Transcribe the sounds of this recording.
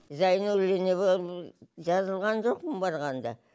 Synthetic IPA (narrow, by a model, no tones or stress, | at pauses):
zɑjənɵleneβo | ʒɑzəlˠʁɑnʒo̞qməmbɑɾʁɑnd̪ɑ̰